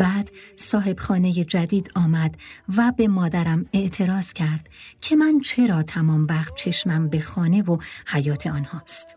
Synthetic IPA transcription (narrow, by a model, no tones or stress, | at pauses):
bæːd̪̥sɒːɦe̞b̥xɒːne̞je̞d͡ʒæd̪iːd̪ɒːmæd̪væbe̞mɒːd̪æɾæme̞ʔt̪ʰe̞ɾɒːz̥cʰæɾd̪̥cʰe̞mænt͡ʃʰe̞ɾɒːt̪ʰæmɒːmvæχt̪̚t͡ʃʰe̞ʃmæmbexɒːne̞vohæjɒːt̪ʰe̞ɒːnhɒːst̪